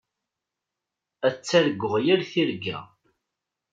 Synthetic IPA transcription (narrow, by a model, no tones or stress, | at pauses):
æt͡sːæɾɡːʊʁjæɾθiɾɡːæ̰